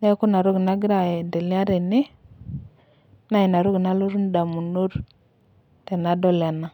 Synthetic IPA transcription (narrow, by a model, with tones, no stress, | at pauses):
na˦ku˦na˨ɾu˦ɡi˨na˦ɡi˦ɾa˨je˨de˨li˦a˦ɾe˨ni˦ | na˦ji˨na˨ɾu˦ɡi˨na˦lu˦ɾu˦n˦da˨mu˨nu˦ɾ | te˨na˦do˦le˨na˨